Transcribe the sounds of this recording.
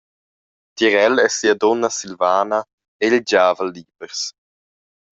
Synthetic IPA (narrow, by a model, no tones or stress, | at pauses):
t̪iɾɛlɛsiad̪ɔnːasilvaːna | eild͡ʒaːvəlːiːbəɾs